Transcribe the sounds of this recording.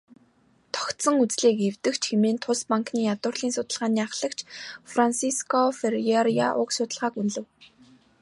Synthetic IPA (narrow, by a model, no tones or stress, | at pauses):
t̪ʰɔ̥kt̪sə̆ŋut͡sɮiːkewt̪ɘ̆kt͡ɕʰxemeːnt̪ʰʊspaŋkniːjat̪ʊːrɮiːnsʊt̪ə̆ɮʁaːniːaχɮə̆kt͡ɕʰfransiskɔferjeɾija̰ʔʊ̰ksʊt̪ə̆ɮʁaːkunɮɘ̆w